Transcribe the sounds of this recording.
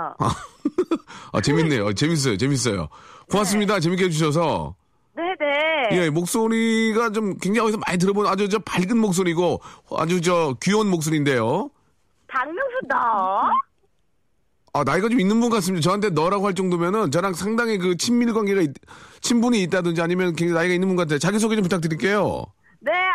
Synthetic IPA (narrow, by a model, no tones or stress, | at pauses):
a̰ | a̰t͡ɕe̞minːe̞ʌ̰t͡ɕe̞mis̬͈ʌjo̰t͡ɕemis̬͈ʌjo̰koas̬͈ɯmɲidat͡ɕemik̬͈eed͡ʑuɕʰʌs̬ʰʌ | neneje̞mok̚s͈oɾiɡat͡ɕomkweŋd͡ʑaiʌis̬ʰʌmaɲit̬ɯɾʌbonad͡ʑut͡ɕʌpaɭɡɯnmok̚s̬͈oɾiɡoa̰d͡ʑut͡ɕʌkuʌnmok̚s̬͈oɾinde̞jo | taŋmjoŋsʰuda | anaiɡat͡ɕominːɯnbunɡʌkas̬ɯmɲidat͡ɕʌɦantʰenʌɾaɡohwaɭt͡ɕ͈oŋdwemjʌnɯnt͡ɕʌɾaŋsʰaŋdaŋɦik̬ɯt͡ɕʰimːiɭɡwaŋɡeɡaitt͡ɕʰimbuɲiːt̚t͈adɯnd͡ʑiaɲimjʌnkeŋɡainaiɡainːɯnbunɡoatʰɯndet͡ɕaɡis̬ʰoɡet͡ɕomputʰak̚t̬͈ɯɾiɭk͈e̞jo̰ | ne̞